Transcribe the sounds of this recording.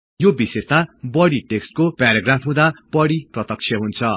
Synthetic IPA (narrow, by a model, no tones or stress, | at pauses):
jobisest̪abʌɽiʈeksʈ̚kopaɾaɡrapʰɦũd̪ab̥ʌɽiprʌt̪ʌk̚t͡sʰjʌɦunt͡sʰʌ